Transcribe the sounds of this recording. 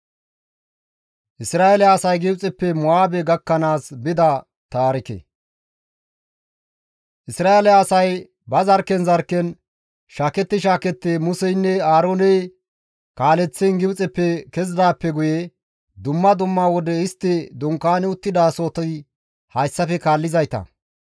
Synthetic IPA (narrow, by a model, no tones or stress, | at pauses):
ʔɪsɾaːʔelɛɐsɐjɡɪbt͡sʼɛpːɛmʊaːbɛɡɐkːɐnaːsbɪd̪ɐ | t̪aːɾɪkɛ̰ | ʔɪsɾaːelɛɐsɐj | bɐzɐɾkɛnzɐɾkːɛn | ʃaːkɛt̪ːɪʃaːkɛt̪ːeːmʊsɛjnːɛaːɾoːnɛ | kaːlɛt͡sːɛnɡɪbt͡sʼɛpːɛkɛzd̪aːpːɛɡʊje | d̪ʊmːɐd̪ʊmːaːwɔd̪ɛɪst̪ːɪd̪ʊŋkaːnɪʊt̪ːɪd̪aːso̞ːt̪ɔj | hɐjsːɐfɛkaːlːɪzɐjt̪ɐ̰